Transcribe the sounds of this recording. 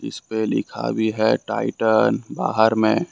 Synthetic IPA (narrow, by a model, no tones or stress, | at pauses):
ɪ̰spelɪ̰kʰa̰bʱiɦɛʈaːɪʈənbaːɦəɾmẽː